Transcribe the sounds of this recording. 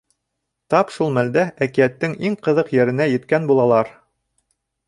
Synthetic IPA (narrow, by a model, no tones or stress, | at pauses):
t̪ɑpʃulˠmæld̪æækijæt̪ːɘŋʔiŋqɤ̆ðɤqjɘ̆ɾɘ̆næjɘ̆t̪kænbulˠɑlˠɑɾ